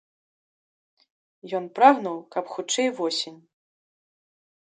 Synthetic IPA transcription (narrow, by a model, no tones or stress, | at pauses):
jɔnpɾaɣnɐwkɐpxut͡ʂɛjvɔsʲenʲ